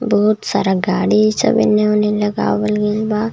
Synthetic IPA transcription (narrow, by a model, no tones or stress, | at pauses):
bɔɦʊt̪saːɾaɡaːɽisɐ̰bɪ̰nẽʊnelɐɡa̰ːʋəlɡelbaː